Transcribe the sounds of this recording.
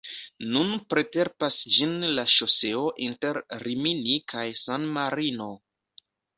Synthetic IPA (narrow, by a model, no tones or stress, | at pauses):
nunpɾe̞te̞ɾpasd͡ʒinlaʃo̞se̞o̞ʔinte̞ɾɾiminikʰajsanmaɾino